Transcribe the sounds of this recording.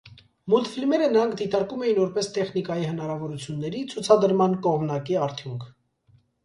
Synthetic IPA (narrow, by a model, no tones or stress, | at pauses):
mult̪filmɛɾənəɾɑŋkʰd̪it̪ɑɾkumɛjinvɔɾpɛst̪ɛχn̪ikɑjihən̪ɑɾɑvɔɾut͡sʰjunːɛɾit͡sʰut͡sʰɑd̪əɾmɑnkɔʁmnɑkiɑɾt̪ʰjuŋkʰ